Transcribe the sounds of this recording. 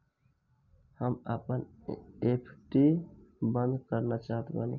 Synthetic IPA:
həmapənepʰʈibə̃nd̪kəɾnat͡ʃaːɦət̪bani

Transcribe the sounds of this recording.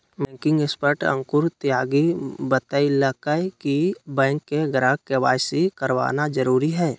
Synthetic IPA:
mɛ̃ːŋkɪ̃ŋɡɪspəʈə̰̃ŋkʊɾt̪jaːɡibət̪əiləkəkibɛ̃ːŋkːeɡɾaːɡ̚keʋaːjsikəɾʋa̰ːnad͡ʒəɾuːɾiɦɛː

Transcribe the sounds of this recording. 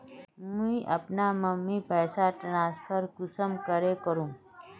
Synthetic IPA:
mũiʔɐpnaməmːipɛːsaʈɐnaːspʰəɾɡʊsəmkəɾekəɾũː

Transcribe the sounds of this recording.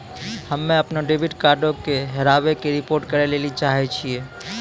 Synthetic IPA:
həmːẽəpnoɖebiʈkaɾɖõkeɦeɾabekeɾipoɾʈkəɾelelit͡ʃaɦɛt͡ʃʰije

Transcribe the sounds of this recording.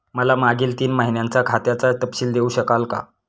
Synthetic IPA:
məlamaɡiːlt̪iːnmaɦinjãnt͡sakʰat̪jat͡sat̪əpɕiːld̪euːɕəkalka̰

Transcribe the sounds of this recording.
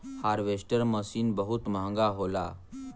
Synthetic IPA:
haɾʋesʈəɾməsiːnbəɦut̪mãŋɡaɦola̰

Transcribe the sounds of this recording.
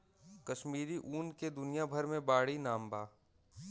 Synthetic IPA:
kɐʃmiːɾiʔuːnked̪ʊnijabʱɐɾmẽbaːɽinaːmbaː

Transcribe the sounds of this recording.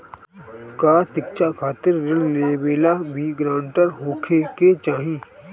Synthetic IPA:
kaːt̪ɪkt͡ʃʰakʰaːt̪ɪɾːɪlleːbeːlabʱiɡɾãːʊɳʈəɾɦoːkʰeket͡ʃaːɦĩː

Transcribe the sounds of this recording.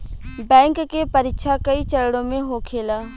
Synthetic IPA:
bɛ̃ːŋkːepɐɾɪkʃʰakɐit͡ʃɐɾɽõmẽɦokʰeːlaː

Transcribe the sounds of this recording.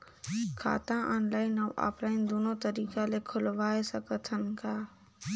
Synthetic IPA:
kʰa̰ːt̪ãʔɔːnlaːɪnəʋʔa̰ːplaːɪnd̪oːnõt̪əɾiːkalekʰʊlʋaːesəkət̪ʰənkʰaː

